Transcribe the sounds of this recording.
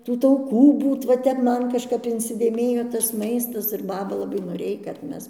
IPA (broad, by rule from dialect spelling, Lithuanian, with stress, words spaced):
ˈtuː tɐʊˈkuː ˈbuːt ʋɐ ˈtʲɛp ˈmɐn kɐʃˈkɐp ɪnʲsʲɪdʲeːˈmʲeːjoː tɐs ˈmɐɪstɐs ɪr ˈbɑːbɐ lˠɐˈbɐɪ noːˈrʲeːj kɐt ˈmʲɛs